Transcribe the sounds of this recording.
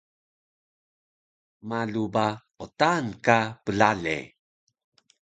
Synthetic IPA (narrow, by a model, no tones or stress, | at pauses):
maɮuba | otankapəlaɮḛ